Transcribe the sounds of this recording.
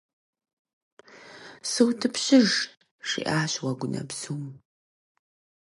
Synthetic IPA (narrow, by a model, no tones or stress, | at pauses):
sɨwtʰɨpɕɪʒ | ʂḭʔaːɕʁʷɐɡʷʊnʔɐ̰bsuːm